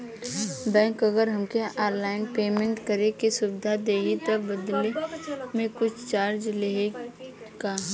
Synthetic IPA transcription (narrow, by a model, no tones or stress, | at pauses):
bɛ̃ːkɐɡəɾɦɐmkeaːɾlaːɪnpeːmẽɳʈkəɾekesʊbɪd̪ʱad̪eːɡit̪obəd̪lemẽkʊt͡ʃʰt͡ʃaːɾd͡ʒlee | kaɦ